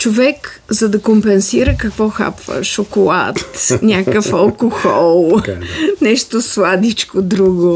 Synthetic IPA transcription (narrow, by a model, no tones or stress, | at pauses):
t͡ʃovɛk | zɐd̪ɐkompɛnsiɾəkɐkvɔxa̰pvə̰ʃokolˠa̰t̪nʲakəfɐlˠkoxɔlˠ | nɛʃt̪oslˠad̪it͡ʃkod̪ɾuɡo